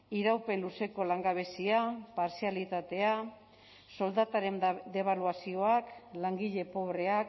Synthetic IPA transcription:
iɾawpe̞nluse̞ko̞laŋɡaβ̞e̞siapaɾsialit̪at̪e̞a | so̞ld̪at̪aɾe̞nd̪e̞β̞aluasio̞aklaŋɡiʎe̞po̞βɾe̞ak

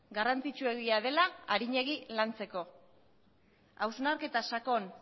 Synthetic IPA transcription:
ɡarant͡sit͡ʃue̞ɣiað̞e̞laːɾiɲe̞ɣilant͡se̞ko̞ | awznaɾke̞t̪asako̞n

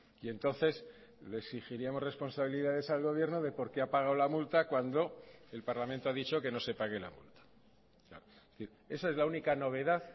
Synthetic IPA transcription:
ie̞nt̪o̞nθe̞s | le̞sixiɾiamo̞zre̞spo̞nsaβiliðaðe̞salɣo̞β̞je̞ɾno̞ðe̞po̞ɾke̞apaɣ̞awlamult̪akwand̪o̞e̞lpaɾlamẽnt̪o̞aðit͡ʃo̞ke̞no̞se̞paɣe̞la̰mṵlt̪ḁ | kla̰ɾoeθiɾ | e̞sae̞zlaunikano̞β̞e̞ðað

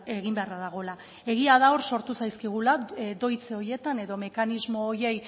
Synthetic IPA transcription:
e̞ɣimbe̞araðaɣ̞o̞la | e̞ɣ̞iaðao̞ɾso̞ɾt̪usajskiɣ̞ulad̪o̞jt͡se̞o̞ɾje̞t̪ane̞ðo̞me̞kanizmo̞ːje̞j

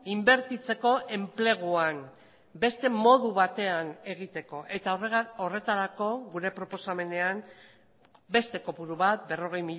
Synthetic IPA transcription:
imbe̞ɾt̪it͡se̞ko̞ʔe̞mple̞ɣ̞uan | be̞st̪e̞mo̞ðuβat̪e̞ane̞ɣ̞it̪e̞ko̞ʔe̞t̪areore̞t̪aɾako̞ɣuɾe̞pɾo̞po̞same̞ne̞an | be̞st̪e̞ko̞puɾuβat̪̚be̞ro̞ɣ̞e̞jmi

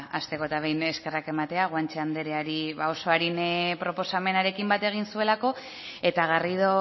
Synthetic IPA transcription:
ast̪e̞ko̞t̪aβ̞e̞jne̞ske̞rake̞mat̪e̞aɣwant͡ʃeand̪e̞ɾeaɾiβao̞so̞aɾinpɾo̞po̞same̞naɾe̞kimbat̪e̞ɣ̞insue̞lako̞ | e̞t̪aɣariðo̞

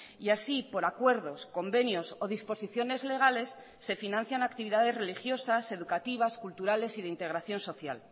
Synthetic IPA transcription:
iasipo̞ɾakwe̞ɾðo̞sko̞mbe̞njo̞so̞ðispo̞siθjo̞ne̞zle̞ɣ̞ale̞sː | e̞finãnθjanak̚t̪iβiðaðe̞zre̞lixjo̞sase̞ðukat̪iβ̞askult̪uɾale̞siðeint̪e̞ɣɾaθjo̞nso̞θja̰l

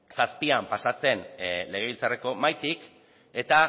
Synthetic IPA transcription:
saspiampasat͡se̞nle̞ɣeilt͡sare̞ko̞majt̪ik | e̞t̪a

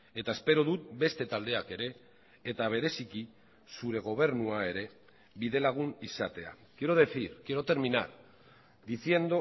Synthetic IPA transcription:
e̞t̪ae̞spe̞ɾoðut̪̚be̞st̪e̞t̪ald̪e̞ake̞ɾe̞ː | t̪aβ̞e̞ɾe̞siki | suɾe̞ɣ̞o̞β̞e̞ɾnuae̞ɾe̞ | βiðe̞laɣ̞unisat̪e̞a̰kjeɾoð̞e̞θiɾkje̞ɾot̪e̞ɾmina̰ɾ | d̪iθje̞nd̪o̞

